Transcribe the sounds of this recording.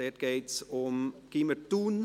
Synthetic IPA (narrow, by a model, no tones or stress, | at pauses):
ɛt̚ɡɛjtsɔmkimətun